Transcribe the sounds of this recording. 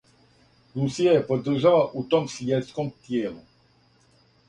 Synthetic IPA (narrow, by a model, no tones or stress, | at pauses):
ɾusijaje̞po̞d̪r̩ʒalaʔut̪o̞msvjet̪skomt̪jeːlu